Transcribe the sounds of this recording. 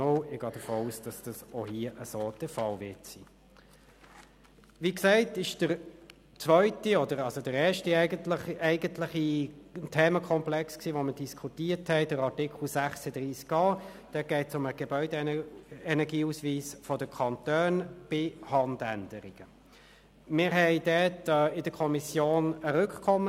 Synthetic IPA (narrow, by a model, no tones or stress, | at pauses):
oɪɡ̥ɑːd̥əfoːuːsd̥ɑsd̥ɑsɔhiəʔəsoːd̥əfɑlvɪtsiː | ʋiːksɛɪtɪʃd̥əɾ | t͡svœʏtiɔdəɾɑlsodəɾɛːʃtiɡətləχɛɪɡəntlɪχitʰeːməkʰɔmplɛksksiːʋɔməd̥iskʰutiːəthɛɪd̥əɾɑtɪkʰl̩sæχsəd̥̪ɾiːskɑː | d̥ɛɡ̥ɛɪtsʊməɡ̥ebœʏde | ɛnɛɡiːusʋiːsfɔdəkʰɑntøːnb̥ɪhɑnd̪æ̰ndəɾḭɡ̥ə | mɪːɾɦɛɪdɛːtːɪd̥əkʰɔmisjoːnəɾʏkkʰɔmːə